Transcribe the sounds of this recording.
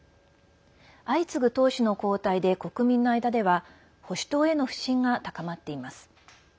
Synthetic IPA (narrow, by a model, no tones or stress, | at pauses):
ait͡sɨɡɯ̟t̪o̞ːɕino̞ko̞ːt̪aid̪e̞ko̞kɯ̟mʲĩnːo̞aid̪ad̪e̞βa | ho̞ɕi̥t̪o̞ːe̞no̞ɸɯ̟̥ɕĩŋɡat̪akamat̪ːe̞imasɨ̥